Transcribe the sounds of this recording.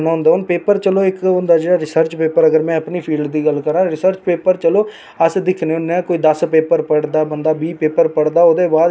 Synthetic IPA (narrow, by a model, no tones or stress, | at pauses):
naːɦʊ̃ːnd̪aːɦʊnpeːpəɾt͡ʃəloːɪkʊnd̪aːd͡ʒeːɽaːɾɪsəɾt͡ʃpeːpəɾəɡəɾmɛ̃ːəpniːpʰiːlɖd̪iːɡəlkəɾãːɾɪsəɾt͡ʃpeːpəɾt͡ʃəloː | əsd̪ɪkʰneːʊnːeãːkoːiːd̪əspeːpəɾpəɽd̪aːbənd̪aːbiːpeːpəɾpəɽd̪aːʊd̪eːbaːd̪